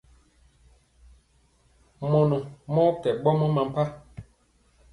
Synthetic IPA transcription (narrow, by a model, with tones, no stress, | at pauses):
mɔ˨nɔ̃˨mɔ̃˦kɛ˨ɓɔ˦mɔ̃˦mã˨m̩˨pa˦